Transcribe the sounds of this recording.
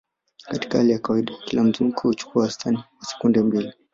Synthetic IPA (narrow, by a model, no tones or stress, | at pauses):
kati̥kahalɛjakawaiɗaakilam̩zim̩kɛhut͡ʃu̥kuawastʰaniwasɛ̥kundɛmbili